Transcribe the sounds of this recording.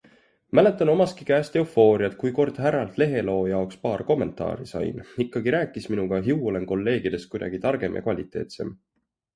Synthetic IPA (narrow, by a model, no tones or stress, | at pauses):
mæle̞t̪ːˑɑno̞mɑst̪̚kikæːst̪e̞ofo̞ːɾiɑt̪̚kujko̞rd̪̥ɦæɾːɑlt̪le̞ɦe̞lo̞ːjɑokspɑːrko̞mːe̞nt̪ˑɑ̰ːɾisɑ̰jnikːɑɡiɾæːkːˑisminuɡ̥ɑɦiuo̞le̞nko̞lːe̞ːɡ̥id̪e̞st̪kujd̪ɑ̰ɡ̥it̪ɑrɡ̥e̞mjɑ̰kvɑlʲit̪ːˑe̞̰ːt̪se̞̰m